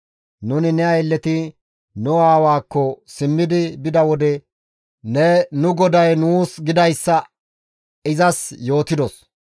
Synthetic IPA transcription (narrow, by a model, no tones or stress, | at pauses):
nʊnɪnɛɐjɛlːɛt̪ɪ | nʊaːwaːkːɔsɪmːɪd̪ɪbɪd̪ɐwɔd̪ɛ | nɛnʊɡɔd̪ɐjnuːsɡɪd̪ɐjsːɐ | ɪzɐsjo̞ːt̪ɪd̪ɔs